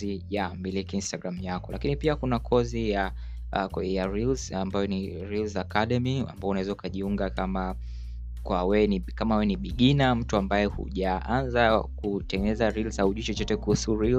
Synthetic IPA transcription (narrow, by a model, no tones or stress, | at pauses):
ijambilikiinstaɡɾamujakɔlakinipiakunakʰɔzija | jaɾilzambajɔni | ɾilzakaɗɛmia̰mbaɔunawɛzaukaʄiuŋɡakama | kwawɛnikamawɛniɓiɠinam̩tuambajɛhṵʄaʔanzakutɛŋɡɛnɛzaɾilzauʄit͡ʃɔt͡ʃɔtɛkuhusuɾil